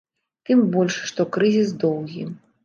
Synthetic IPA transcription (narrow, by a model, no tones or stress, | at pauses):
t̪ɨmbɔlʲʂːt̪ɔkɾɨzʲis̬d̪ɔwɣʲi